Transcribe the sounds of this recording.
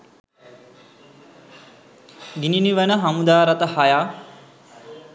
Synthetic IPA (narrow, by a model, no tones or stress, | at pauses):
ɡininiʋənəɦamud̪aːɾat̪əhajaː